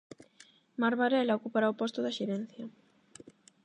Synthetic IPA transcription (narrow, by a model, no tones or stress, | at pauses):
maɾβaɾɛlaokupaɾaopɔst̪ʊðaʃeɾɛn̟θjɐ